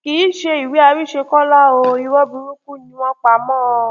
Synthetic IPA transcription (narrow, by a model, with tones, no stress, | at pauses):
ki˨˦ʃe˧i˨we˨˦a˧bi˦˨ʃe˧kɔ˦la˦o˧i˧wɔ˦bi˧ɾu˦ku˦˨nĩ˧w̃ɔ̃˦k͡pa˧mɔ̃ː˦˨˧